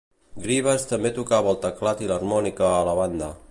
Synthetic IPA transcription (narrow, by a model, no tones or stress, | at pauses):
ɡɾiβəst̪əmbet̪ukaβəlˠt̪əklat̪iləɾmɔnikəːləβand̪ə